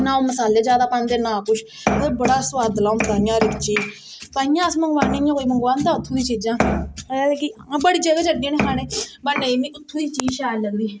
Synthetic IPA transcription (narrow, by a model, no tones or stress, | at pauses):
nãːõːməsaːleːd͡ʒjaːd̪aːpəɳd̪eːnãːkʊʃʰ | obəɽaːsʊʋaːd̪əlãːt̪ãːjãːɾɪkt͡ʃiːd͡ʒ | p̪aːjãːəsməŋɡʋaːnẽːjãːkoːiːməŋɡʋaːnd̪ãːʊt̪ʰːũːd̪iːt͡ʃiːd͡ʒãːaːekĩːbəɽiːd͡ʒəɡaːt͡ʃəɖĩːnẽɦaːneːbəneːmĩːʊt̪ʰːũːd̪iːt͡ʃiːd͡ʒʃaːləɡd̪iː